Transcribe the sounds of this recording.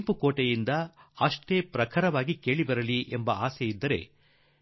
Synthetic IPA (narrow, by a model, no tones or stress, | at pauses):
mpukoːʈɐjind̪ɐɐʂʈeːpɾɐkʰɐɾɐʋaːɡike̞ːɭibɐɾɐliʔembɐaːsɛjid̪ːɐɾe̞̰